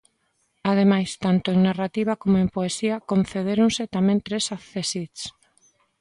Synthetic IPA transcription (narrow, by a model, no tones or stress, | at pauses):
að̞emajst̪ant̪oeŋnarat̪iβ̞akomoempoesiɐkõn̟θeð̞eɾoŋset̪amẽnt̪ɾesaθesis